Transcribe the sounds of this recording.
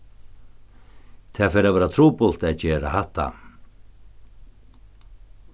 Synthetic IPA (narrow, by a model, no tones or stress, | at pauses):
t̪ʰaːfɛːɾavɛːɾat̪ʰɾuːpʊl̥t̪ɛðt͡ɕɛːɾa̰haht̪ːa̰